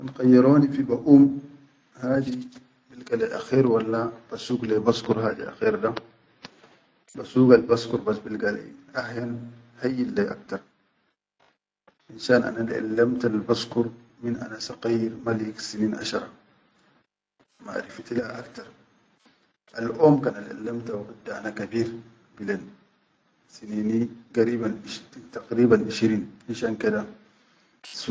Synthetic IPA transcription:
anqɑjːiɾoːnifibaʔuːm | haːd̪i | bilɡalajʔaxiːɾwalːab̥asuːɡlebaskuɾɦaːd̪ḭʔa̰xiːɾd̪a | basuːɡalbaskuɾbasbilɡala̰jʔahjan | hajːilːeʔa̰k̚t̪ɑɾˤ | ʔinsaːnʔa̰nanʔa̰lːamt̪albaskuɾminʔa̰nasaqajiɾmalksiniːnʔa̰ʃɑɾˤɑ | ma̰ʔɾift̪ilhaʔakt̪ɑɾˤ | ʔalʔoːmkaːnalʔa̰lːamt̪awqud̪ːaʔa̰nakabiːɾ | bilen | siniːniɡaɾiːbanit̪aqɾiːbanʔiʃɾiːnʔinʃaːnkid̪a

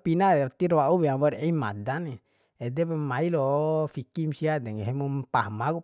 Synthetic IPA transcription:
pinaat̪iɾoaubɛabɔɾɛima̰dani | ɛdɛpamailɔfikimsiadɛŋɦemumpahmaku

